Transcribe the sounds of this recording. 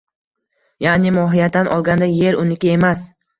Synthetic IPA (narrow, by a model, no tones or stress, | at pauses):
janɪmɒɦɪjat̪ːanʔɒlˠɡʲand̪aje̞ɾʊnɪkʲae̞mas